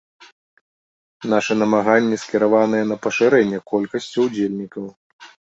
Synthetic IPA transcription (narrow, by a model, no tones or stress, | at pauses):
naʂɛnɐmaɣanʲːɛskʲɛɾavanɨjɛn̪ɐpɐʂɨɾɛnʲːɛkɔlʲkɐsʲt͡sʲiwd͡zʲelʲnʲikɐw